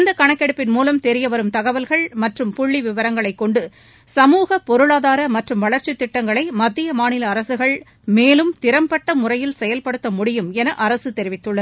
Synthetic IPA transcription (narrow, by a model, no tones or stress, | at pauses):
ɐnd̪ɐkɐɳɐkːɛɽɯpːɪnmuːlɐmt̪ɛɾɪjɐʋɐɾɯmt̪ɐɣɐʋɐlɣɐɭmɐʈrɯmpʊɭːiʋɪʋɐɾɐŋɡɐɭɐɪkːɔɳɖɯ | sɐmuːɣɐpɔɾɯɭaːðaːɾɐmɐʈrɯmʋɐɭɐɾt͡ʃɪt̪ːɪʈːɐŋɡɐɭɐɪmɐd̪ːɪjɐmaːnɪlɐːɾɐsɯɣɐɭ | meːlɯmt̪ɪɾɐmpɐʈːɐmʊrɐjɪlsɛjɐlpɐɽɯt̪ːɐmʊɽɪjɯmɛnɐʔɐɾɐsɯt̪ɛɾɪʋɪt̪ːɯɭːɐð